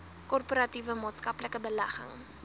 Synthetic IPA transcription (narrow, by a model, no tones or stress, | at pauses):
kɔrpoɾɐtivəmɑːtskɐpləkəbəlæχə̰ŋ